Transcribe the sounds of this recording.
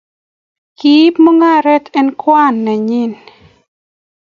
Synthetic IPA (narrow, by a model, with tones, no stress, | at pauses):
ki˦pmo˦ŋa˦˨ɾɛ˦tɛ˦nkwa˦˨nːɛ˨ɲɪ˦˨n